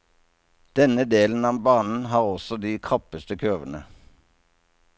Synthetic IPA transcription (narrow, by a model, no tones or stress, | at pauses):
d̪̥ɛnəd̪eːln̩ɑːbɑːnn̩ɦɑːʁɔsɔd̪iːkʰʁɑpəst̪əkʰøːʋənə̰